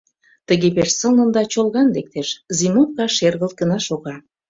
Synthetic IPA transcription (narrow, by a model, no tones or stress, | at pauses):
t̪əɣepeʃsə̆lnə̆nd̪ɑt͡ɕolɣɑnlek̚t̪eʃzimonkɑʃerɣə̆lt̪̚ɡə̆nɑʃoɣɑ